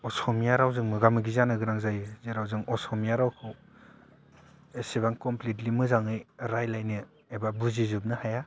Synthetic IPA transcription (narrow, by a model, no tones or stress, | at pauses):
ɔsɔmijaɾawzɯŋmɯɡamɯɡizanɯɡɯɾaŋzajzeɾawzɯŋɔsɔmijaɾawkʰɯw | esiβaŋkɔmplit̬limɯzaŋɯjɾajlajnɯ | ebabuzizup̚nɯhaja